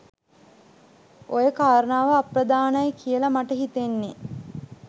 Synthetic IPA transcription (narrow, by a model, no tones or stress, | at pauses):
ʔojəkaːɾənaːʋəaprɐd̪aːnajekʰijəlɐmaʈəɦit̪enːe